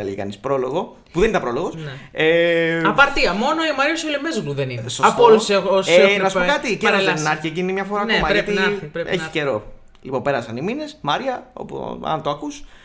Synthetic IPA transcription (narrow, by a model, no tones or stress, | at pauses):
elḛʝekɐ̰nispɾolo̞ɣo̞ | puðenit̪ɐpɾo̞lo̞ɣo̞sneɐpɐɾt̪iɐmo̞noimɐɾiɐsulemezɣluðeninesopoluseoenɐsuokɐt̪iceɾoðenɐɾçiecinimɲɐfoɾɐːomɐɐt̪ieçi̥ce̞ɾo̞ | lipo̞mpe̞ɾɐsɐnimine̞smɐɾiɐo̰pṵɐ̰nt̪oɐkus